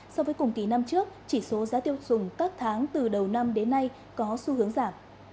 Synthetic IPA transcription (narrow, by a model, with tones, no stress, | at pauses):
sɔ˧wvəː˨˦jkʊ˨˩ŋ͡mki˨˩na˧mt͡ɕɨ˦˥ək̚t͡ɕi˧˩so˨˦zaː˨˦t̪i˧əwsʊ˨˧˩ŋ͡mt̪a˦˥k̚t̪ʰaː˨˦ŋt̪ɨ˨˩ɗə˨˩wna˧mɗe˨˦nːa˧j | kɔ˨˦su˧hɨ˨˦əŋzaː˧˩m